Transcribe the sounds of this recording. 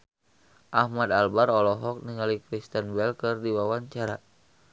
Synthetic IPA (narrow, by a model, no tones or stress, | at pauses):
ʔahmad̪albaɾɔlɔɦɔk̚niŋalikɾist̪ənbɛlkɨrdiwawaɲt͡ʃaɾa